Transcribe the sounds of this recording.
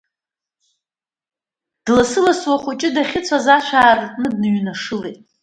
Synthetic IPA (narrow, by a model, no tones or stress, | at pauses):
d̥lasɨlaswaχʷʊt͡ʃʼɪdaχʲɪt͡sʷʰazaʃʷaːrtʼnɨdnɥnaʂɨlejtʼ